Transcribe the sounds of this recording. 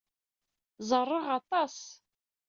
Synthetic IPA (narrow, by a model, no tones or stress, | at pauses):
zarɨʁatʰʼas